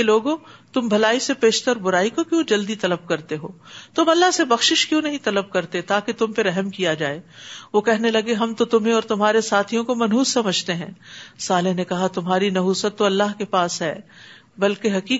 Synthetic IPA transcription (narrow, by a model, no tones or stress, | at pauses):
eloːɡõt̪ʊmbʱɐlaːisepeːʃt̪əɾbʊɾaːikokjõːd͡ʒɐld̪it̪ɐləb̚kɐɾt̪eɦoːt̪ʊmɐlːaɦsebɐxʃɪʃkjõːnɐɦĩt̪ɐləb̚kɐɾt̪et̪aːket̪ʊmpeɾɛɦɛmkijad͡ʒaːeːʋokɛɦnelɐɡeɦɐmt̪ot̪ʊmɦẽɔːɾt̪ʊmɦaːɾesaːt̪ʰijõkomɐnɦuːsːɐməd͡ʒʱt̪eɦɛ̰̃ːsaːlɪɦnekɐɦat̪ʊmɦaːɾinɐɦuːsət̪ːoɐlːaɦkepaːsɦɛː | bɐlkeɦɐkiː